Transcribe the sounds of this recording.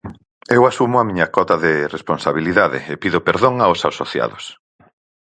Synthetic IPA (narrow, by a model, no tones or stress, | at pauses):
ewasumʊamiɲakɔt̪aðeresponsaβiliðaðɪ̰epiðʊpeɾðoŋaosasoθja̰ðʊs